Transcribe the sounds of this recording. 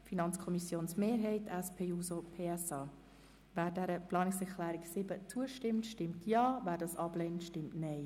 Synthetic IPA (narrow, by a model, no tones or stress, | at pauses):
finɑnt͡skʰɔmisjoːnsmeːɾɦɛɪtɛspʰeːuːsopʰeːɛsɑː | væːɾdɛɾəplɑːnɪksɛɾkʰlæːɾɪksɪbət͡suəʃtɪmtʃtɪmtʰjɑːvæːɾdɑsɑb̥lɛntʃtɪmtnɛɪ